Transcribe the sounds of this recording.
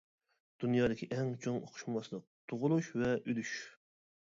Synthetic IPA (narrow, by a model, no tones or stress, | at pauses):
d̪̥unjɑːd̪ɪkʲʰiʔɛŋt͡ʃʰoŋo̰qʰʊ̥ʃmmɑslˠəq̚t̪ʰoʁʊlˠuʃvɛʔylyʃ